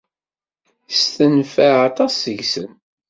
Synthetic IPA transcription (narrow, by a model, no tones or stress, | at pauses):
st̪ənfəɑt̪ˤɑsːəʝsə̰n